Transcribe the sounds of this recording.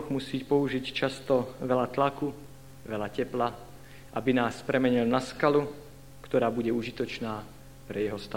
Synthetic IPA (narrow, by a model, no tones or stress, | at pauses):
ɣmusiːcpɔuʒict͡ʃast̪ɔʋɛlat̪laku | ʋɛlacɛpla | ʔabinaːspɾɛmɛɲilnaskalu | kt̪ɔɾaːbuɟɛuʒit̪ɔt͡ʃnaː | pɾɛjɛɦɔst̪a